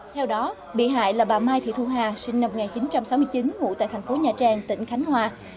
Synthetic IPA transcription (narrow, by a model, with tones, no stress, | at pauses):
t̪ʰɛ˧wɗɔ˨˦ | ɓḭ˧˨ɦa̰ː˧˨jlaː˨˩ɓaː˨˩maː˧jt̪ʰḭ˧˨t̪ʰu˧ɦaː˨˩sï˧ŋ̟na˧m̚˨˩ŋaː˨˩nt͡ɕi˨˦nt͡ɕa˧msa˨˦wmɨ˧əjt͡ɕi˨˦nmṵ˧˨t̪a̰ː˧˨jt̪ʰŋ̟fo˨˦ɲaː˨˩t͡ɕaː˨˩ŋt̪ḭ˧˩ŋ̟xa˨˦jŋ̟hwaː˧˩